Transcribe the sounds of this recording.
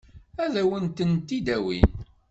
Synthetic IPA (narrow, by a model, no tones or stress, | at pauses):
æðæwənt̪ənt̪ːid̪æwḭn